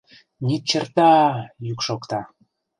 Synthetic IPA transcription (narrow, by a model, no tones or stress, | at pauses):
nit͡ɕərt̪ɑjykʃokt̪ɑ